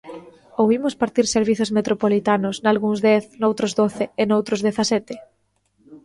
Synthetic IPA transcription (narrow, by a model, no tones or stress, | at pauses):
owβimʊspaɾt̪iɾseɾβiθʊzmet̪ɾopolit̪anʊsnalɣuŋzðɛθnowt̪ɾʊzðoθɪːnowt̪ɾʊzðɛθasɛt̪ɪ